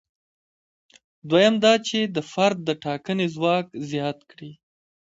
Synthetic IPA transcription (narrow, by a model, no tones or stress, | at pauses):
d̪wajamd̪ɑt͡ʃed̪əfaɾd̪̚ːəʈɑkənezwɑkzjɑt̪kɽi